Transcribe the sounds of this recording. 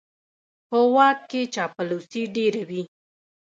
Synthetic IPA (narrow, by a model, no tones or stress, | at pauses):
pəwɑkkːet͡ʃɑpalosiɖeɾawi